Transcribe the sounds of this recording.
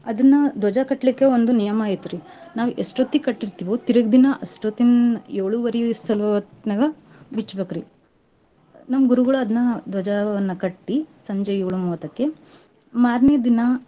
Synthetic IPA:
ɐd̪ɐnːɐd̪ʱɔd͡ʒakɐʈːlikːeond̪unijɐmaːjit̪uɾinaːʋʔesʈoːt̪ːikɐʈːiɾt̪iʋot̪iɾɐɡd̪inɐʔɐsʈot̪ːinjeːɭuʋɐɾijuist̪ɐlʋɐɐt̪nɐɡɐ | bit͡ʃːbɐkɾi | nɐmɐɡuɾuɡɐɭuɐd̪ɐnːɐd̪wɔd͡ʒaɐnːɐkɐʈːisɐɲd͡ʒɐjuːɭumoːt̪ɐkːe | maːɾned̪inɐ

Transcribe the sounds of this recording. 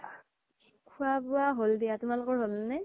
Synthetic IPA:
kʰuabʊaɦoldijatʊmalʊkɔɹɦolnɛ

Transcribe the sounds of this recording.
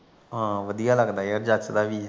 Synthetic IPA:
ɦãːʋəd̪ijaːləɡd̪aːəɾd͡ʒat͡ʃd̪aːʋiː

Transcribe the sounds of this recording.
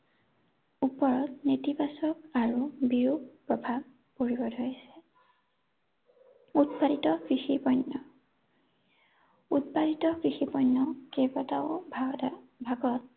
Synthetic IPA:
upːɔɹɔt̪̚netibasɔkaɹubiɹuɡpɹɔbʱab̚ | poɹibɔdʱojsɛ̥ | utpalitɔkɹixipɔjnːɔ | utpalitɔkʰɹixipɔjnːɔkebataʊbʱbʱaɡɔt̚

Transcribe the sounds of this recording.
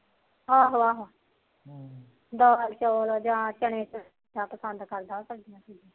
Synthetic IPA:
aːɦoːaːɦo | d̪ɔːlt͡ʃoːlod͡ʒãːt͡ʃəɳẽːt͡ʃə | d̪ãːpəsənd̪kəɾd̪aːsək̚d̪ijãːtʰid͡ʒĩː

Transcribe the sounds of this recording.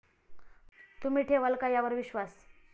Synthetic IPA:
t̪um̤iːʈʰeʋəlkajaʋəɾʋiɕʋas

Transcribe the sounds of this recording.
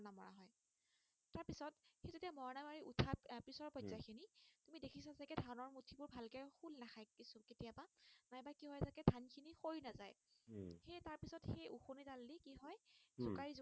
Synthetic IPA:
namɔɹa̰ɦɔj | taɹpisɔtxejzetijamɔɹanamaɹiʔutʰapɹisɔɹpɔjzakʰinitumidekʰisazakɛdʱanɔɹmutʰibʊɹbʱalkɛxulnaxʰajkisʊketijabanajbakiɦɔjzakɛdʱankʰinixojnaza̰j | xejtaɹpisɔtxejuxunitalːikiɦɔjzʊkaɹiz

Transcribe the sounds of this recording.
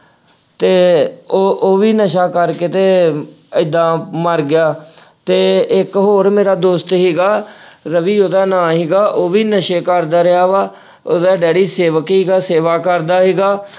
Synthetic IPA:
t̪eːoːʔoːʋiːnəʃaːkəɾkeːt̪eː | ɪd̪ãːməɾɡɪjaːt̪eːɪkɦoːɾmeːɾaːd̪oːst̪ɦiːɡaːɾəʋiːoːd̪aːnãːɦiːɡaːʔoːʋiːnəʃeːkəɾd̪aːɾɪjaːʋaː | oːd̪aːɖɛːɽiːseːʋəkɦiːɡaːseːʋaːkəɾd̪aːɦiːɡaː

